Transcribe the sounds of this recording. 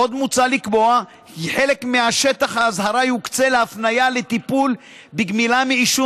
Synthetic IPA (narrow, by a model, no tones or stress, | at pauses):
o̞d̪mut͡salikbo̞a | kiħe̞le̞kmeaʃet̪aχhaːzɦaɾajukt͡seleafnajale̞t̪ipul | biɡmilamiiʃu